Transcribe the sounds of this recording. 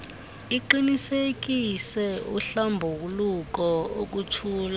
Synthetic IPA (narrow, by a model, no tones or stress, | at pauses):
iǃinisek̬ʼisɛuɬambʱuwuluk̬ɔok̬utʰuːla